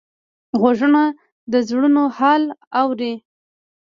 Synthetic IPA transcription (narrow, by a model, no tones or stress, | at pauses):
ɣaʒəna | d̪əzɽunohɑlawɾi